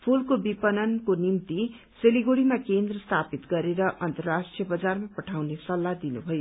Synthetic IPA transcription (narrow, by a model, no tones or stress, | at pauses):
pʰulkobipʌnʌnkonimt̪i | seliɡoɽimakend̪rʌst̪ʰapit̪ɡʌɾeɾʌʔʌnt̪ʌrrasʈijʌbʌd͡zarmapʌʈʰawnesʌlːad̪inubʱʌjo